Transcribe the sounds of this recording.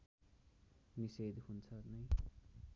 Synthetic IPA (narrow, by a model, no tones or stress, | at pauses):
nised̪hunt͡sʰʌnʌj